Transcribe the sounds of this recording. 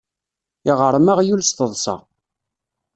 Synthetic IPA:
iʁəɾˤmaʁjulst̪əðˤsɑ̰ʁ

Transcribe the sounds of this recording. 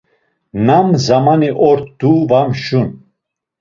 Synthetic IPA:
namzamaniʔɔɾt̪d̪̥uvamʃun

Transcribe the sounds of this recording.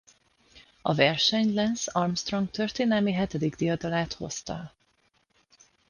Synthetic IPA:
ɒ̰vɛrʃɛɲlɛnsɒrmst̪roŋɡ̚t̪ørt̪eːnɛlmiɦɛt̪ɛd̪iɡd̪ijɒd̪ɒlaːt̪ho̞̰st̪ɒ̰

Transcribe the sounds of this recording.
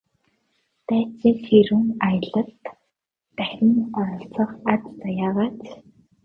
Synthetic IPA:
t̪æːt͡seːseɾuːŋajə̆ɮə̆ɬt̪ː | æxʲɘ̆nɔɾɞ̆ɬt͡sə̆qat͡st͡sajaːʁaːt͡s

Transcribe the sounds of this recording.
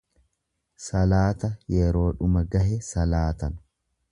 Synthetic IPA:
sɐlaːt̪ɐjɛɾo̞ːᶑʊmɐɡɐhɛsɐlaːt̪ɐn

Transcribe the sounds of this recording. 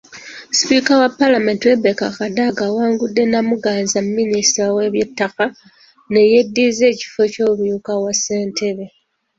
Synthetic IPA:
spikawapːalame̞ːntwe̞bekakadaɡawaːŋɡudːe̞namuɡaːnzammːinistɾawe̞βje̞tːaka | ne̞je̞dːize̞ːci̥fo̞co̞ːβujukawase̞ːntʰe̞βe

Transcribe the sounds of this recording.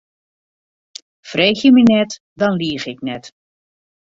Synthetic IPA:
freːxjəmənɛt | dɑnliəxɪknɛt

